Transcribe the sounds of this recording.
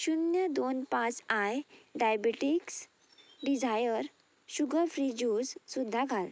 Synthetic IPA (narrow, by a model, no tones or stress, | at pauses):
ɕunjəd̪onpãt͡sajɖajbeʈiks | ɖid͡ʑʱajəɾ | ɕuɡəɾfɾid͡ʑud͡zsud̪ʱːaɡʱal